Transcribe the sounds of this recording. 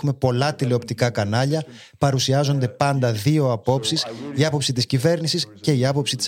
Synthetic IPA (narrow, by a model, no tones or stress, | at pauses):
ume̞po̞lɐt̪ile̞o̞p̚t̪ikɐkɐnɐʎɐ | pɐɾusiɐzo̞nd̪e̞pɐnd̪ɐðio̞ɐpo̞psisiɐpo̞psit̪iscive̞ɾnisisce̞iɐpo̞psit̪is